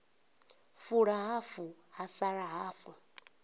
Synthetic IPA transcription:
fuɺaɦafuhasaɺaɦaːfu

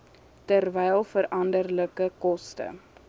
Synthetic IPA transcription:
tərvɛjlˠfəɾɐndərləkəkɔstə̰

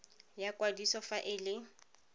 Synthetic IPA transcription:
jakʼwadisɔfaʔɪlɪ

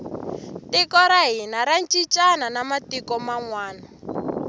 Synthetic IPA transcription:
tikɔɾaɦinaɾant͡ʃʼit͡ʃʼananamatikɔmaŋwaːna

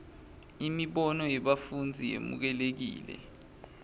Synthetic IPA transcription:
imiɓɔnɔjɛɓafund͡zʱijḛmṵk̬ɛlek̬ḭːlɛ̰

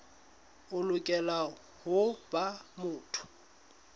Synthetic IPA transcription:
ʊlʊkʼɛla | hʊbamʊːtʰʊ̥

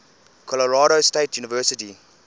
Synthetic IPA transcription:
kʰɔləɹaːɾostetjuːnivɜsɪti

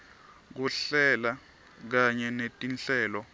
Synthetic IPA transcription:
k̬uɬɛla | k̬aɲɛnetʼinɬɛːlɔ

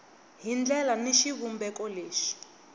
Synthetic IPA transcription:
ɦind͡ɮɛlaniʃiβumbɛkɔleːʂi̥

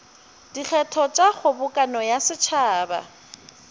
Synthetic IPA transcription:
d̥ik͡xʰɛtʰɔt͡ʃʼaχʊbʊkʼanɔjasɪt͡ʃʰaːba̰

